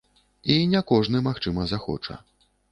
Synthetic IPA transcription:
inʲɛkɔʐnɨmaxt͡ʂɨmɐzaxɔ̰t͡ʂɐ̰

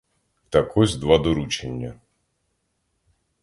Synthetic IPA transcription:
t̪ɐkʰɔzʲd̪ʋad̪ɔɾut͡ʃenʲːɐ

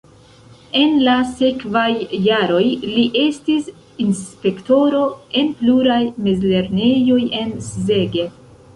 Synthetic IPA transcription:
e̞nlasekvajːaɾo̞jliʔe̞stis | inspe̞kto̞ɾo̞e̞npluɾajmezle̞ɾne̞jo̞je̞nsze̞ɡe̞

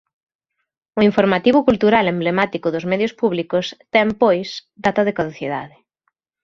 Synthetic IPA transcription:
ʊiɱfoɾmat̪iβʊkult̪uɾalemblemat̪ikʊðʊzmɛðjʊspuβlikʊst̪ɛmpojsd̪at̪ɐðɪkaðoθjiða̰ðɪ

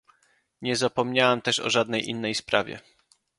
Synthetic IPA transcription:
ɲɛzapɔmɲawamt̪ɛʂɔ̰ʐad̪nɛjʔḭnːɛjspɾavʲjɛ̰

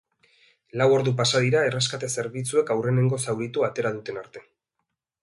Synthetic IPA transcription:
lawo̞ɾðup̬asaðiɾae̞reskat̪ese̞ɾβit͡sue̞kawre̞ne̞ŋɡo̞sawɾit̪uat̪e̞ɾaðut̪e̞naɾt̪e̞

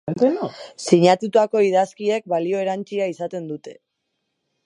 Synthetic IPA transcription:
d̪ensiɲat̪ut̪ako̞iðaskie̞k̚balio̞e̞ɾant͡ʃiaisat̪e̞nd̪ut̪e̞

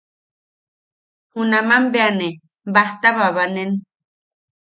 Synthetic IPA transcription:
hunãmãmbeane | baht̪aβaβanen

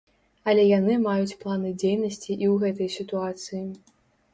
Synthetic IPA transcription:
ɐlʲɛjanɨmajut͡sʲplˠanɨd͡zʲejnɐsʲt͡sʲiʔiwɣɛt̪̬ɐjsʲit̪uat̪sɨji

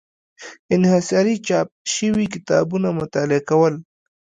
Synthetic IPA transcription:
ɪnhasɑɾit͡ʃɑp̚ʃəwikɪt̪ɑ̰bunamʊt̪ɑːlɪakawəl

